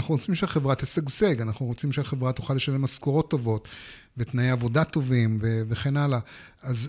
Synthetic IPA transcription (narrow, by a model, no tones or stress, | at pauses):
naχnuʁot͡simʃeaχevʁat̪isaɡze̞ɡanaχnuʁot͡simʃeaχevʁat̪uχale̞ʃale̞maskoʁo̞t̪ːo̞vo̞t̪ | vet̪najeavo̞dat̪o̞vimveve̞χe̞nalaaz